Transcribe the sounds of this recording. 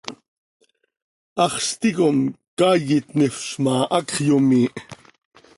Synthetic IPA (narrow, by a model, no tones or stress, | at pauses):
ɑχst̪ikomkajit̪nefʃmɑːʔɑkχjomiːʔ